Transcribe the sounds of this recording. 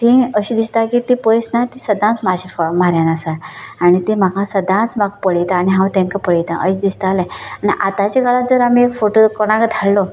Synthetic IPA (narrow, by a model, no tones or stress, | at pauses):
t̪ĩəɕid̪ist̪akit̪ĩpəjsnat̪ĩsəd̪ʱãt͡smaɕifmaɾjanasaaɽ̃it̪im̤akʰãsəd̪ʱãt͡smakpəɽit̪aːɽiɦãwt̪ɛ̃ŋkapəɭit̪ã̰ʔəɕid̪ist̪alɛ̃aniʔat̪at͡ɕaɡaɭat̪̚d͡zəɾamiekfoʈokɔɽ̃ãkd̪ʱallɔ